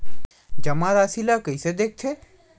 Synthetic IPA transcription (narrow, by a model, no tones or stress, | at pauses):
d͡ʒɐmaɾasilakəised̪eːk̚t̪ʰe